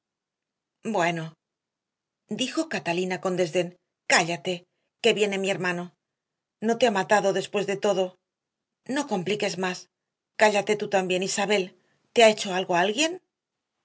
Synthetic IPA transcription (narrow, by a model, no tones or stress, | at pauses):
bwe̞no̞ | d̪ixo̞kat̪alinako̞nd̪e̞zðe̞n | kaʎat̪e̞ | ke̞βje̞ne̞mie̞ɾmano̞ | no̞t̪e̞amat̪aðo̞ðe̞spwe̞zðe̞t̪o̞ðo̞ | no̞ko̞mplike̞zmas | kaʎat̪e̞t̪ut̪ambje̞nisaβ̞e̞l | t̪eae̞t͡ʃo̞alɣo̞aalɣje̞n